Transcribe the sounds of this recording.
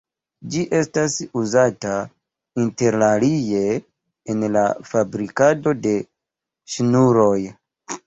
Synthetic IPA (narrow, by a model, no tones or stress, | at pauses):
d͡ʒiʔe̞stasuzata | inte̞ɾlalije̞ː | nla̰fabɾikado̞de̞ | ʃnuɾo̞j